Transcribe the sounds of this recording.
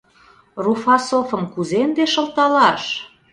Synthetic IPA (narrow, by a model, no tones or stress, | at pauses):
rufɑsofəmkuzend̪eʃə̆lt̪ɑlɑʃ